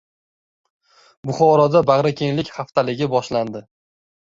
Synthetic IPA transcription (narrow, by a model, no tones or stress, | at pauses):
bʊχɒɾɒd̪abaʁɾakʲʰe̞nlɪkʲχaft̪ʰalɪɡʲɪbɒʃland̪ɪ